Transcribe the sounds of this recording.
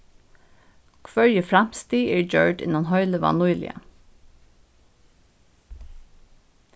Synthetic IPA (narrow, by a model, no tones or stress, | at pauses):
kʰʋœɹjəfɹam̥st̪iːʔɛːɹd͡ʒœɹɖɪ̰nanɦœʏləʋɑ̰nʊjlɪ̰a̰